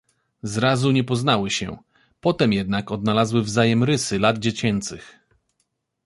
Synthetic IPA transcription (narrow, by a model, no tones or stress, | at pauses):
zɾazuɲɛpɔznawɘɕɛ̰ | pɔt̪ɛmjɛd̪nakɔd̪nalazwɘvzajɛmɾɘsɘlad̪d͡ʑet͡ɕɛnt̪sɘx